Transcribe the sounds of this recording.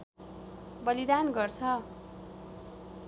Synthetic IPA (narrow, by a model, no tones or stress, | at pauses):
bʌlid̪anɡʌrt͡sʰʌ